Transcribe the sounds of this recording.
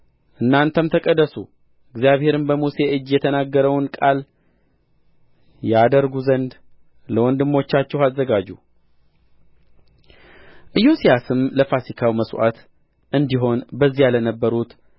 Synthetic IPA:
ʔɨnːant̪ʰəmt̪ʰəkʼəd̪ːəsu | ʔɨɡzijaβhe̞ɾɨnbəmuse̞ʔɨd͡ʒːjɛt̪ʰənaɡːəɾəwnkʼal | jad̪əɾɡuzənd̪ | ləwɔnd̪ɨmːo̞t͡ʃːat͡ʃːɛhazːəɡad͡ʒu | ʔɨjosijasɨmləfasikʰawməswa̰t̪ | ʔɨnd̪iɦo̞nbəzːijalənəbːəɾut̪

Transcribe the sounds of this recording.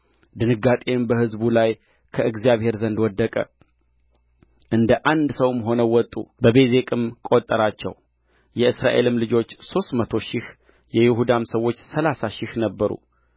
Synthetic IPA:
d̪ɨnɨɡːat̪ʼe̞mbəhɨzbulaj | kʰəʔɨɡzijaβhe̞ɾzənd̪wɔd̪ːəkʼə̰ | ʔɨnd̪əʔand̪səwmɦo̞nəwɔt̪ʼːṵbəbe̞ze̞kʼɨmkʼo̞t̪ʼːəɾat͡ʃːɛ̰w | jɛɨsɾa̰ʔe̞lɨmlɨd͡ʒo̞t͡ʃːso̞st̪mət̪ʰo̞ʃɪh | jɛjɪɦud̪amsəwːo̞t͡ʃːsəlasaʃɪhnəbːəɾṵ

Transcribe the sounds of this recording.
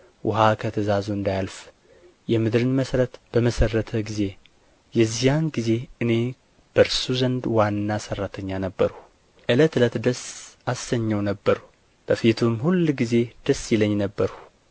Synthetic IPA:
wʊɦakʰət̪ʰəzazuɨnd̪ajalf | jɛmɨd̪ɾɨnməsɾət̪b̥əməsərːət̪ʰəɡize̞ | jɛzijanɡize̞ɨne̞ | b̥əɾsuzənd̪wanːasərːat̪ʰəɲːanəbːəɾhu | ʔɨlət̪lət̪d̪əsasəɲːəwnəbːəɾ | b̥əfit̪ʰumhulːɡize̞d̪̥əsːjɪləɲːnəbːəɾhu

